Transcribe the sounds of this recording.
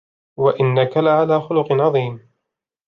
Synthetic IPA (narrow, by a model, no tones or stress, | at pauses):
waʔɪnːakalɪʕalaːxʊlʊqnʕɑðˤiːm